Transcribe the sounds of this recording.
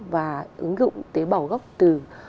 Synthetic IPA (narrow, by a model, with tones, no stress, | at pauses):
vaː˨˩ʔɨ̰˨˦ŋzʊ̰˧˨ŋ͡mt̪e˨˦ɓa˧˩wɣə˦˥wk͡p̚t̪ɨ˨˩